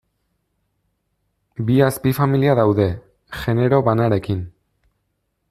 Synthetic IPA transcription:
biaspifamiliaðawðe̞ | ʝe̞ne̞ɾo̞βanaɾe̞kin

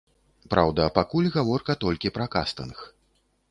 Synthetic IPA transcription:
pɾawd̪ɐpakulʲɣavɔrkɐt̪ɔlʲkʲipɾɐka̰st̪ɐ̰nx

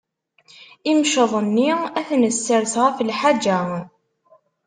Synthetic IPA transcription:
imʃəðˤənːiæθnəsːəɾθʁaflħad͡ʒːæ

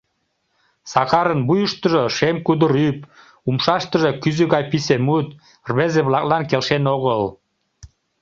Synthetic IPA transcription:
sɑkɑɾənbujuʃt̪əʒoʃemkud̪əɾyp | umʃɑʃt̪əʒekyzyɣɑjpisemut̪ | rβezeβlɑk̚lɑnkelʃenoɣəl

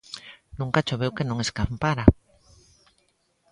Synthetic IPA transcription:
nũŋkat͡ʃoβewkenõŋeskampaɾa

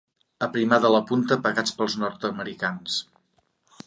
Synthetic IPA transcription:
əpɾimaðələpunt̪əpəɣat͡spəlˠznɔɾt̪əməɾikans

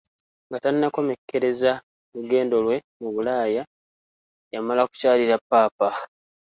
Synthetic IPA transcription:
ŋɡatanːako̞mekːe̞ɾe̞za | luɡe̞ːndo̞lwe̞ | muβulaːja | jamalaku̥caːliɾapːaːpa

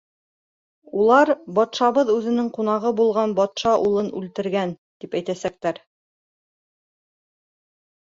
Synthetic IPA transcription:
ulˠɑɾbɒt̪ʃɑβɤðʉðɘ̆nɘŋqun̪ɑʁɤbulˠʁɑnbɒt̪ʃɑʔulˠɤnʉlt̪ɘ̆ɾɡænt̪ipæjt̪æsæk̚t̪æɾ

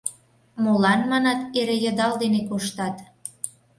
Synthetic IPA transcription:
molɑnmɑnɑt̪eɾejə̆d̪ɑld̪enekoʃt̪ɑt̪

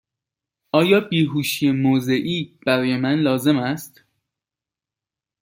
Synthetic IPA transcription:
ʔɒːjɒːbiːɦuːʃijemoːze̞ʔiːb̥æɾɒːje̞mænlɒːze̞mæst̪

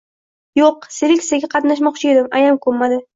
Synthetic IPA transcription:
joqseɾɪkʲsaɡʲaqʰɑt̪naʃ̬mɒqt͡ʃʰɪe̞d̪ɪmajamkʰoɾmad̪ɪ

